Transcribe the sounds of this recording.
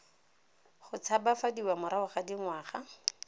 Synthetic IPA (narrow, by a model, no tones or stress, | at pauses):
χʊt͡sʰabafadiwamʊɾaʊχadiŋwaːχa